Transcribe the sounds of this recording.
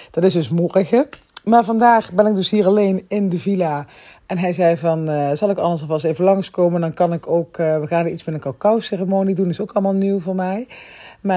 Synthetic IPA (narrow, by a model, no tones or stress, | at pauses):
d̥ɑtɪszdɵsmɔrəɣə | maːɹvɑndaːχbɛnɪɡ̚dɵsɦiːrɑlejnɪndəvila | ɛnɦɛjzɛjvɑnz̥ɑlˠɪkɑ̰ləsɔfɑs̬ejvəlɑŋskowməndɑnkɑnɪkowkːʋəɣaːnəitsmɪtnənkawkawserəmoːnidunɪsowkɑlˠəmaːlˠniwvoːɹmɛjmaː